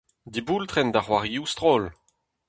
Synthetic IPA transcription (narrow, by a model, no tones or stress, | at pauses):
d̪ibuːlt̪χɛnd̪aχwaʁiust̪ʁoːl